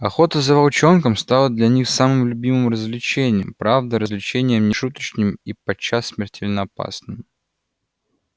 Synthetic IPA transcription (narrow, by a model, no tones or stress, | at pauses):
ɐxo̞t̪əzəvɐlˠt͡ɕo̞nkəmst̪alˠəd̪lʲɐnʲixsamɨmlʲʊbʲimɨmrəzʲvlʲɪt͡ɕenʲɪjəmpɾavd̪əɾəzʲlʲɪt͡ɕenʲɪjəmnʲɪʂut̪ə̥t͡ɕnʲɪmipɐt͡ɕːasʲːmʲɪrtʲelʲnəɐpa̰snɨm